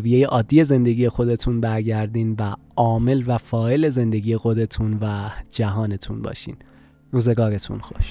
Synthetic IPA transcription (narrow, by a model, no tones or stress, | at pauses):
vije̞jeʔɒːd̪ːije̞ze̞nd̪e̞ɡʲije̞xo̞d̪e̞t̪ʰunbæɾɟæɾd̪iːnvæ | ɒːme̞lvæfɒːe̞le̞ze̞nd̪e̞ɡiːje̞xo̞d̪e̞t̪ʰuːnvæd͡ʒæɦɒːne̞t̪ʰṵːnbɒ̰ːʃḭːn | ruːze̞ɡɒːɾe̞t̪ʰṵnxo̰ʃ